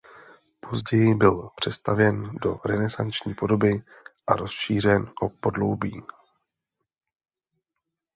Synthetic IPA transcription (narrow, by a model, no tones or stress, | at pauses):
pʰo̞zɟɛjɪbɪlpr̝̥ɛst̪avjɛndo̞̰ɾɛnɛsa̰nt͡ʃɲiːpo̞do̞bɪ | ʔaɾo̞sʃiːr̝ɛnʔopo̞dlo̞̰wbiː